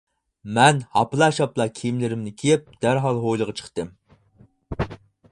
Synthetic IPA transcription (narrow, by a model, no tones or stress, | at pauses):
mɛnhɑplˠɑːʃɑplˠɑkʲʰimlɪɾɪmnɪkʲʰijɪp̚d̪̥æɾɦɑlˠɦojlˠəʁɑt͡ʃʰə̥χt̪ɨm